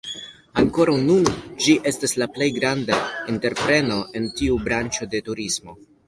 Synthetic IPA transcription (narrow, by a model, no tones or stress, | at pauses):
aŋko̞ɾawnund͡ʒiʔe̞staslaple̞jɡɾandainte̞ɾpɾe̞no̞ʔe̞ntiubɾant͡ʃo̞de̞tuɾismo̞